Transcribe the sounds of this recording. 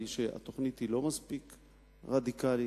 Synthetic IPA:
iʃea̰t̪o̞χnit̪hilo̞maspik | ʁad̪ikali

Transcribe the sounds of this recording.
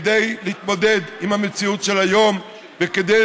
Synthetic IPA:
d̪ejliit̪mo̞d̪e̞d̪imhamet͡siutʃelajo̞m | veked̪e

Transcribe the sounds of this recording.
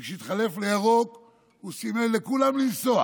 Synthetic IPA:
kʃeit̪χale̞fleaʁo̞k | usimelːekulamlinsoa̰

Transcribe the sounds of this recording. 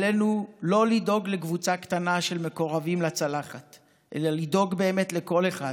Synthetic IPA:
lenulo̞lido̞ɡlekvut͡sakt̪anaʃe̞lme̞ko̞ʁavimlat͡salaχat | ʔḛlalido̞ɡbe̞ːme̞t̪le̞ko̞leχa

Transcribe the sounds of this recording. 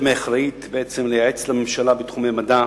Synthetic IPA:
meaχɾait̪beʔet͡semlejaʕet͡slamemʃalabet̪χumejmad̪a

